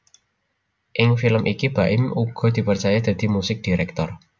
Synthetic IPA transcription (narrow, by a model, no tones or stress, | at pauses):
ʔɪŋfiləmʔikib̥aʔɪmuɡ̥ɔ̤d̪̥i̤pərt͡ʃajad̪̥ä̤d̪̥i̤musɪk̚d̥iɾɛk̚t̪ɔr